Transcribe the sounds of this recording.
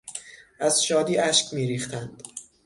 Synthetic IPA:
ʔæzʃɒːd̪iːʔæʃkʰmiːɾiːxt̪ʰænd̪̥

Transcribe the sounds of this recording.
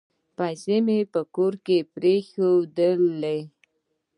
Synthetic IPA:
pasemepəkoɾkepɾexod̪əld̪e

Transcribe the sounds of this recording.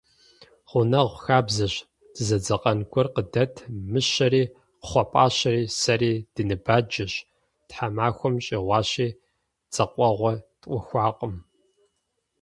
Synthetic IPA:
χʷʊnɐʁʷxaːbzɐɕ | d̥ɨzɐd͡zɐqʼɐnkʷʰʼɔrqədɐtʰmɨɕɐɾiː | qə̥χʷɔpʼaːɕɐɾiːsɐɾiːd̥ɨnɨbaːd͡ʒɐɕ | tħamaːxʷɔmɕʼiːʁʷɑːɕiː | t͡sʼɐqʷʼɔʁʷɔtʼqʷʼʊxʷɑːqʼəm

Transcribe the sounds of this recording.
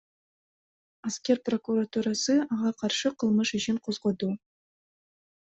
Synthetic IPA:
askʲerprokuɾat̪uɾɑsɨɑʁɑqʰɑrʃɨqʰəlˠməʃɪʃʰɪnqʰozʁod̪u

